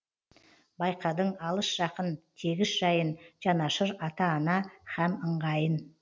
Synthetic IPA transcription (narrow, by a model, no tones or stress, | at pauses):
bɑjqɑd̪əɴɑlˠəʃʒ̥ɑqənt̪ʰe̞ɡʲɪsʒ̥ɑjənʒɑnɑʃəɾɑt̪ɑːnɑχæməɴʁɑjən